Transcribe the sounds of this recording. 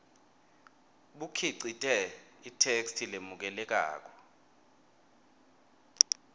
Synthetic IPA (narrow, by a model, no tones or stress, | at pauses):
ɓukʰiǀitʼɛitʰekstʰilemuk̬ɛlɛk̬a̰ːk̬ʼɔ